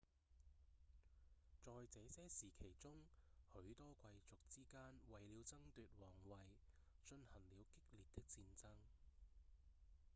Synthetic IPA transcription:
t͡sɔː˨jt͡sɛː˨˥sɛː˥siː˨˩kʰe˨˩jt͡sʊ˥ŋhɵ˨˥ɥt̪ɔː˥kʰʷɐ˧jt͡sʊ˨k̚t͡siː˥kaː˥nwɐ˨jliː˨˧wt͡sɐ˥ŋt̪yː˨t̚wɔː˨˩ŋwɐ˨j | t͡ʃɵ˧nhɐ˨˩ŋliː˨˧wkɪ˥k̚liː˨t̚t̪ɪ˥k̚t͡siː˧nt͡sɐ˥ŋ

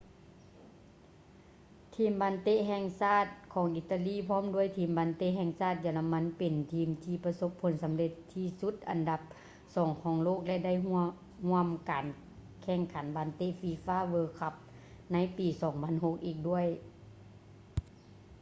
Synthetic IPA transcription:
t̪ʰiː˧˩mbaː˨˦nt̪e˧˥ʔɦɛː˧˩ŋsaː˧˥˩t̪̚kʰɔː˨˦ŋʔi˧t̪ːa˧liː˧˥˨pʰɔː˥˨mdu˧˥˩əjt̪ʰiː˧˩mbaː˨˧˦nt̪e˧˥ʔɦɛː˧ŋsaː˧˥˩t̪̚jaː˧˩la˧mːa˧˥˨npe˨˩nt̪ʰiː˧mt̪ʰiː˧˩pa˧so˧˥pʰːo˨˦nsa˨˦mle˧t̪ʰːiː˧˩su˧˦˥t̪̚ʔa̰˨nda˧p̚ | sɔː˨˩˦ŋkʰɔː˨˦ŋloː˥˩˨k̚lɛ˧ʔda˥˨ju˧ | hu˧˥˩əmkaː˨˩n | kʰɛː˧˩ŋkʰa˨˩˦nbaː˨˦nt̪e˧˥˨ʔfi˧˩faː˧˥˨ʋɤː˧kʰa˧˥p̚ | na˧˥˨jpiː˨˩sɔː˩˦ŋpʰa˧˥˨nho˧˥k̚ʔiː˨˩k̚du˧˥˩əj

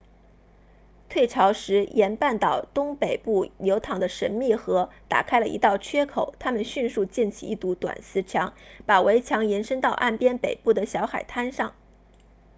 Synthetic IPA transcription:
t̪ʰwe˥˩ɪʈ͡ʂʰɑ˧˥ʊʂɻ̩˧˥jʔɛ˧˥npa˥˩nt̪ɑ˨˩ʊt̪ʊ˥ŋpe˨˩ɪpu˥˩ljo˧˥ʊt̪ʰɑ˨˩ŋd̪ə˦ʂə˧˥nmi˥˩xɤ˧˥t̪a̰˨˩kʰa˥ɪlə˨ʔḭ˧˥t̪ɑ˥˩ʊt͡ɕʰɥɛ˥kʰo˨˩˦ʊt̪ʰa˥mə˨nɕy˥˧nʂu˥˧t͡ɕi˥˩nt͡ɕʰḭ˨˧i˥˩t̪u˧˥t̪wa̰˨˩nsɹ̩˧˥t͡ɕʰjɑ˧˥ŋpa˨˩we˧˥ɪt͡ɕʰjɑ˧˥ŋjɛ˧˥nʂɤ˥ŋt̪ɑ˥˧ʊʔa̰˥˩npjɛ˥npe˨˩ɪpu˥˩d̪ə˩ɕjɑ˧˥ʊxa˨˩ɪt̪ʰa˥nʂɑ˥˩ŋ

